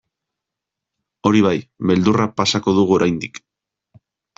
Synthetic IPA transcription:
o̞ɾiβ̞ajβe̞ld̪urapasako̞ðuɣuo̞ɾajnd̪ik

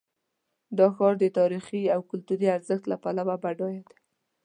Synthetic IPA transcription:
d̪ɑxɑɾd̪ət̪ɑɾixiawkʊlt̪uɾiaɾzəxt̪lapalawabaɖɑjad̪a

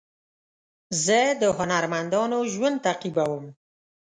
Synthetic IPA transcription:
zəd̪əɦʊnaɾmand̪ɑnoʒwand̪̚t̪aqibawəm

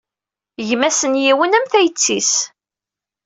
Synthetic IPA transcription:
ʝmæsənjiwənæmθæjət͡sːis

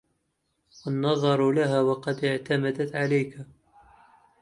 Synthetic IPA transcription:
wənːɑðˤɑɾˤlaɦawɑqɑd̪ɪʕt̪amad̪at̪ʕalajka

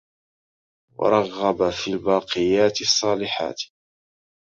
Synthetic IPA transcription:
wɑ̰ɾˤɑɣːɑbafiːlbɑːqɨjaːt̪ɪsˤːɑːlɪħa̰ːt̪

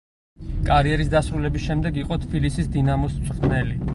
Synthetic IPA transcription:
kʼaɾiɛɾisd̪asɾulɛbisʃɛmd̪ɛɡiqʼɔt̪ʰbilisisd̪inamɔsʰʼqʼnɛli

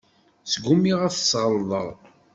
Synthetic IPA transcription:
sɡumiʁæθəsʁəlðˤə̰ɾˤ

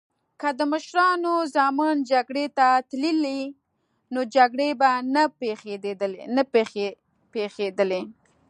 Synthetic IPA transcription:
kəd̪əməʃɾɑnozɑmand͡ʒaɡɽet̪at̪lili | nod͡ʒaɡɽebanapexeenapexe | pexed̪əle

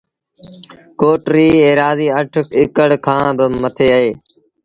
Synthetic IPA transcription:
koːʈɾiːẽːɾaːziːəʈʰɪkəɽkʰãːbɪmət̪ʰeːəɦeː

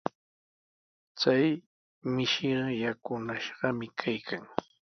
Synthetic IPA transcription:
t͡saj | mɪʃɪjakʊnaʃɢɑmɪkʰajkʰaŋ

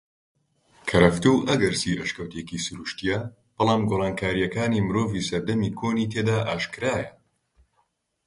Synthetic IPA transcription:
kʰɐɾɐft̪uʔɐɡɐɾsiːʔɐʃkɐwt̪ekiːsʊɾuʃt̪ijɐ | b̥ɑlˠaːmɡoːrˤɑːnkʰaːɾijɐkaːniːmɨɾoːviːsɐɾd̪ɐmiːkʰoːniːt̪ʰeːd̪aːʔaːʃkɨɾaːjɐ

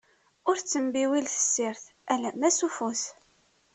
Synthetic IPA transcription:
ʊɾt͡sːəmbiwilθə̥sːɪɾθ | ælæmæsufuθ

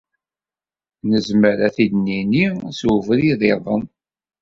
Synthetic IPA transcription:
nəzməɾæθid̪ninisuvɾiðˤeðˤə̰n

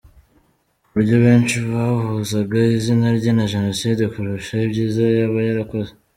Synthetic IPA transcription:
uuɾɟo̞βe̞ːnt͡ʃiβahuzaɡaizinaɾɟanaʒe̞no̞sidekuɾuʃaibɟiːzajaβajaɾako̞ze

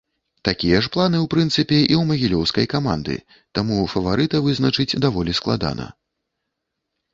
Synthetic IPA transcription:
t̪akʲijɐʂplˠanɨwpɾɨnt̪sɨpʲɛʔiwmɐɣʲilʲɔwskɐjkama̰nd̪ɨ̰ | t̪amufɐvaɾɨt̪ɐvɨznɐt͡ʂɨt͡sʲd̪avɔlʲisklˠa̰d̪a̰nɐ̰

